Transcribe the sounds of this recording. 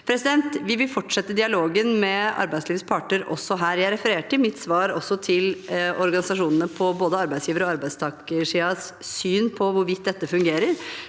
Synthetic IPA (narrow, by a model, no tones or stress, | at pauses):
pʰɾɛsɪd̪ɛnt̪ʋɪʋɪlfɔʈʂɛt̪ːəd̪ɪɑloːɡənmɛɑ̰ɾbæɪsliːʋspʰɑːʈɳəɾʔɔ̰sːɔɦæːɾjæɪɾɛfəɾeːʈɪlmɪt̪ːsʋɑːɾɔsːɔt̪ʰɪlɔɾɡɑnɪsɑʂuːnənəpʰɔboːd̪əɑɾbæɪtsjiːʋəɾɔɑɾbæɪst̪ʰɑːkəʂiːɑssyːnpʰɔʋʊɾʋɪt̪d̪ɛt̪ːəfʉŋɡeːɾəɾ